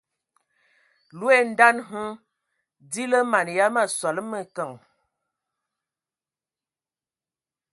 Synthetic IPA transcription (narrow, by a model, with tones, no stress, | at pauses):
lu˦e˦˨n̩˦da˦nɦə˦ | di˦lə˦ma˨n˨ja˦ma˦swa˨lə˦mə˦˨kə˨ŋ